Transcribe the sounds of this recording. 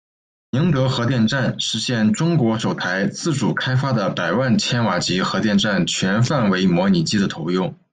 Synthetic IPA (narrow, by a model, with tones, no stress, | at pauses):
ni˧˥ŋt̪ɤ˧˥xɤ˧˥t̪jɛ˥˧nʈ͡ʂa˥˩nʂɻ̩˧˥ɕjɛ˥˩nʈ͡ʂʊ˥ŋkwɔ˧˥ʂo˨˩ʊt̪ʰa˧˥ɪt͡sɹ̩˥˩ʈ͡ʂu˨˩kʰa˥ɪfa˥d̪ə˨pa˨˩ɪwa˥˩nt͡ɕʰjɛ˥nwa˨˩t͡ɕi˧˥xɤ˧˥t̪jɛ˥˧nʈ͡ʂa˥˩nt͡ɕʰɥɛ˧˥nfa˥˩nwe˧˥ɪmwɔ˧˥ni˨˩t͡ɕi˥d̪ə˨t̪ʰo˧˥ʊjʊ˥˩ŋ